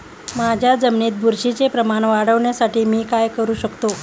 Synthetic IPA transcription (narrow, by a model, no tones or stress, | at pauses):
mad͡ʑʱjad͡zəmniːt̪̚bʱuɾɕit͡sepɾəmaɳ̃ʋaɽəʋɳjasaʈiːmiːkajkəɾuːɕəkt̪o